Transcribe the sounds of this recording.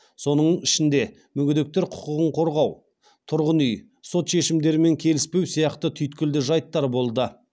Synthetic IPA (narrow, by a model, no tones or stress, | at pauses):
so̞nəɴɪʃɪnd̪e̞ | mʏɡʲʏd̪e̞k̚t̪e̞ɾqʰʊ̥qəʁəɴqʰo̞ɾʁɑw | t̪ʰʊɾʁənʏj | so̞t̪ʃe̞ʃɪmd̪e̞ɾɪme̞ŋkʲʰe̞lɪspe̞wsijɑqt̪ət̪ʰʏjt̪̚kʲɪld̪ɪʒɑjt̪ːɑɾbo̞lˠd̪ə